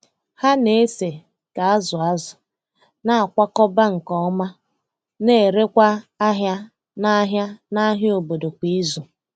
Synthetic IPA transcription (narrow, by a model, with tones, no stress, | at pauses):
ha˦ne˨e˦se˨ | ka˨a˦zʊ˨a˦zʊ˨ | na˦˨a˨kʷa˦kɔ˦ba˦ŋ̩˨kɔ˦ma˦ | ne˨e˨ɾe˦kʷa˦a˦ɦja˦ | na˦ɦja˦na˦ɦo˨bo˨do˨kʷi˦zʊ˨